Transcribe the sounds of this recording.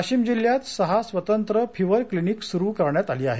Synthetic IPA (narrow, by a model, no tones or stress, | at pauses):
ɕt͡ɕiːmd͡ʑilːjat̪səɦasʋət̪ənt̪ɾəfiʋəɾkliniːksuɾuːkəɾɳjat̪aliːa̰ɦe